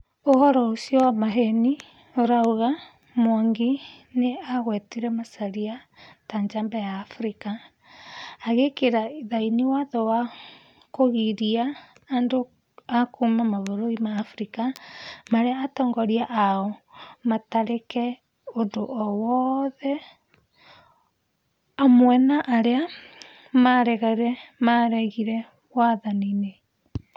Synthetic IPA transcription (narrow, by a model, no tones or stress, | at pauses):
ohɔɾɔosjɔwamaɦɛni | oɾaoɣa | mwaŋɡineaɣwɛtiɾɛmasaɾia | taɲd͡ʒambɛjaːfɾikaː | ɣekeɾaiðainiwaðɔwa | koɣiɾiaː | ndo | akumamaβoɾoimaːfɾikamaɾeaːtɔːŋɡɔɾiaʔaɔmataɾekɛ | ondoʔɔwɔðɛ | amwɛnaʔːɾea | maɾɛɣaɾɛmaɾɛɣiɾɛ | waðanine